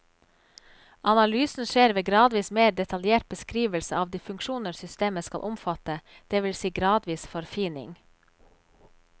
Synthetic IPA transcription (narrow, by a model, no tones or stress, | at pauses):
ʔɑnɑlyːsn̩ʃeːɾʋeːɡɾɑːd̪ʋiːsmeːɖ̪ɛt̪ʰɑljeːʈ̚bəskɾiːʋəlsəɑːʋd̪iːfʉŋkʃuːnəɾsʏst̪eːməskɑ̰lʔʊmfɑt̪ə | d̪̥eːʋɪlsiːɡɾɑːd̪ʋiːsfɔɾfiːnɪ̰ŋ